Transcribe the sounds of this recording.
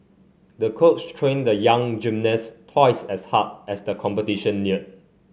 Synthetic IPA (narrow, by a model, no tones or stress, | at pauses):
dəkʰotstʰɹẽndəjãŋd͡ʒĩmnəstʰwaɪsɛshat̚ɛsdəkʰɔ̃mpətiʃə̃nːiə